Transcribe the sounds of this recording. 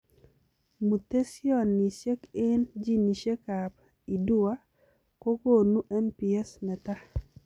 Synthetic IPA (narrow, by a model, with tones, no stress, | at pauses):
mu˨t̪e˦sjɔ˦˨nːi˨se˦kɪ˦nd͡ʒi˦ni˨ʃe˦ka˨p̚ | i˨du˦a˦ | ko˦ɡo˦˨nu˦ʔɛ˦npi˨ɛ˦snɛ˨t̪a˦